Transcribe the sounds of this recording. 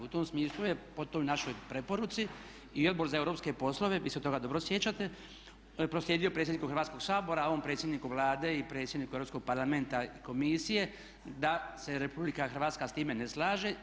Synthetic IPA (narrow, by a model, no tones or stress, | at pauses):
ut̪o̞msmiːslˠuje̞po̞t̪ojnaʃo̞jpɾe̞po̞ɾut̪si | io̞d̪bo̞ɾzaewɾo̞ːpske̞po̞slˠo̞ʋe̞ʋiːseot̪o̞ɡad̪obɾosjet͡ɕat̪e̞ | pɾosljeːd̪ijo̞pɾet̪sʲjd̪nikuxrɾʋaːt̪sko̞ɡsaːbo̞ɾaoʋompɾet̪sʲjed̪nikuʋlˠaːd̪e̞ipɾe̞t̪sjed̪nikueɾopsko̞ɡ̚paɾlame̞nt̪aiko̞misije̞ | d̪ase̞ɾepublikaxr̩ʋaːt̪skast̪iːme̞neslˠaːʒe